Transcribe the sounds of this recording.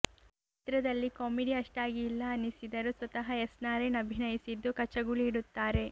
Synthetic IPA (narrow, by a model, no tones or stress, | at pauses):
t͡ʃiit̪ɾɐd̪ɐlːikɔːmiɖiɐʂʈaːɡiːlːɐːnisid̪ɐɾusʋɐt̪ɐɦɐesnaːɾenɐbʱinɐjisid̪ːukɐt͡ʃɐɡuɭiːɽut̪ːaːɾe̞